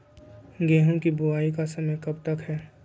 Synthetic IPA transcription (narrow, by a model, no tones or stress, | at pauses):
ɡɛːɦõkibʊaːikasɐməjkɐbt̪ɐkɦɛː